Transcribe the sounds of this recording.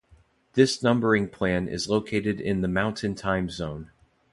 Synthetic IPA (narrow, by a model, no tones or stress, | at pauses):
ðɪsnʌ̃mbə˞ɪ̃ŋpʰl̥æ̃nɪ̰zloʊkʰeɪɾɨɾɪ̰̃nðɨmãʊ̃ntʰɨ̃ntʰãɪ̃mzõʊ̃n